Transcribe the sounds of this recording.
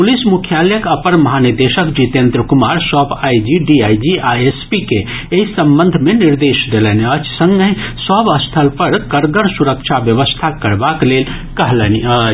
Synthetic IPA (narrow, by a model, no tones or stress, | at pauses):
pulismukʰjaljəkəpənmɐɦaniɾd̪eʃəkd͡ʒit̪ent̪ɾəkumaɾsɔbajd͡ʒiɖiajd͡ʒiaespike | eɦisəmbə̃nd̪ʱmeniɾd̪esd̪elɛniət͡ʃʰsə̃ŋɡəisəbəst̪ʰəlpəɾkəɾɡəɾsuɾəkt͡ʃʰabjəʋəst̪ʰakəɾbaklel | kəɦlɛniət͡ʃʰ